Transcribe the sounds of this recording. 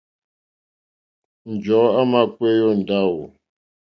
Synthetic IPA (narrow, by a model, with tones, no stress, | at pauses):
n̩˨d͡ʒɔ˨˦a˦ma˦˨k͡pwe˦jɔ˦n̩˨da˦˨wo˨